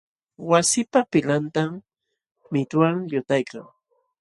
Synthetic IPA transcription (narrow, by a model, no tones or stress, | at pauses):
wasɪpapɪlant̪am | mɪt̪waŋʎʊt̪ajkaŋ